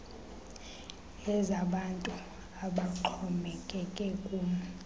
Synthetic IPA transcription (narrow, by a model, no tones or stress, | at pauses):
ɛzaɓantʼu | aɓaǃʰɔmɛkʼɛkʼɛkʼu